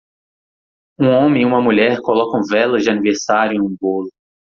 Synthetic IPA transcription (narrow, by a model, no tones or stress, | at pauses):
ũõmẽiũmɐmuʎɛɾkolɔkɐ̃w̃vɛlɐzd͡ʒɪaniveɾsaɾjʊ̃nũbolʊ